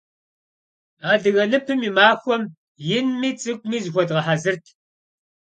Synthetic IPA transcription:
aːdɨɣɐlɨpʰɨmimaːxʷɔm | jɪnmiːt͡sʼɨkʷʼmiːzxʷɔdʁɐħazɨrtʰ

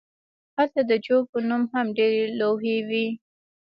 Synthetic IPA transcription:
halt̪ad̪əd͡ʒopənumhamɖeɾeloɦewi

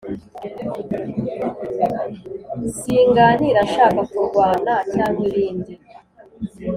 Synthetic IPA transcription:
siːŋɡaniɾaʃaːkakuɾɡwaːnacaːn̥huɾiːndi

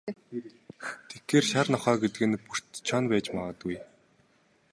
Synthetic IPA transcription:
t̪ʰexeːrʃarnɔχœːɡet̪ɘ̆ɣɘ̆npur̥t̪t͡ɕʰɔnpæːt͡ɕmaʁə̆t̪uj

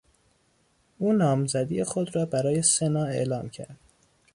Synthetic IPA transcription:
uːnɒːmzæd̪ijexod̪ɾɒːbæɾɒːje̞senɒːe̞̰ʔlɒːmcʰæ̰ɾd̪̥

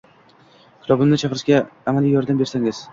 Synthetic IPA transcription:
kʰlˠɒbɪmnɪt͡ʃʰaqɪɾɪʃɡʲaːmalijɒɾd̪ambe̞ɾsaŋɪz̥

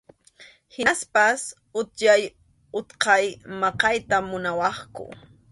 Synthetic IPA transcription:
hɪnspas | ʊt̪jaj | ʊt̪qɑjmɑqɑjt̪amʊnawɑχkʊ̰

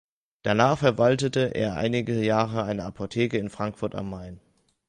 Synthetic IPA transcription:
d̥anaːχfɛɐvaltətəʔḛːɐʔa̰ɪnɪɡəjaːʁəaɪnəapʰotʰeːkəɪnfʁ̥aŋkfʊɐta̰mːaɪn

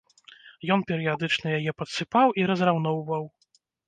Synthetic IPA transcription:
jɔnpʲɛɾɨjad̪ɨt͡ʂnɐjajɛpɐt̪sɨpawiɾɐzrawn̪ɔwvɐw

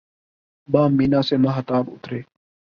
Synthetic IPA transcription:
bãːmːiːnaːseːmãːɦət̪aːbʊ̰t̪ɾeː

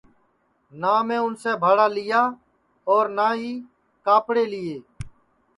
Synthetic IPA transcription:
naːmẽːʊnsẽːbʱaːɽaːlɪjaː | ɔːɾnaːɦiː | kaːpɽeːlɪːeː

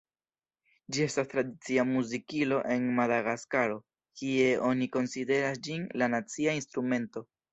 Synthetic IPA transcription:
d͡ʒie̞stastɾadit͡siamuzikilo̞ʔe̞nmadaɡaskaɾo̞ | kie̞ʔo̞niko̞nside̞ɾas̬d͡ʒinlanat͡siainst̪ɾume̞nto̞

